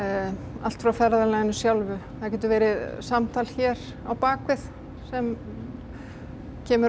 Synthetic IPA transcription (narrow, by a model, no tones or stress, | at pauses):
a̰l̥t̪fɾawfɛðɾaðɛlaɪnʏsjawlvʏθaðcɛːt̪̬ʏvɛːɾɪðsamt̪ʰaːlçɛɾ̥ | awpaːkvɪθ | sɛm | cʰɛːmʏ